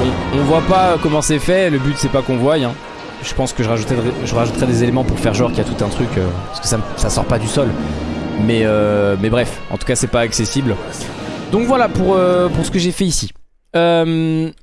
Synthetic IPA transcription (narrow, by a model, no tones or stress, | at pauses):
ɔ̃ɔ̃vwapaøkɔmɑ̃sɛfɛləbyt̪sɛpakɔ̃vwajɛ̃ | ʒəpɑ̃skəʒəʁaʒut̪ɛɛʒəʁaʒut̪χɛd̪ezelemɑ̃puʁfɛʁʒɔʁkʲiat̪ut̪ɛ̃t̪χykʲøpaʁskə̥sasasɔ̰ʁpad̪ysɔl | mɛømɛbʁɛfɑ̰̃t̪u̥kasɛpaːksesibl | d̪ɔ̃kvwalapuʁøpuʁsə̥kəʒefɛisi | øm